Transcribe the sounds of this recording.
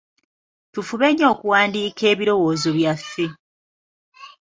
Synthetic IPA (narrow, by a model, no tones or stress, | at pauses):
tufuβeɲːo̞ːkuwaːndiːke̞ːβiɾo̞wo̞ːzo̞βjafːe̞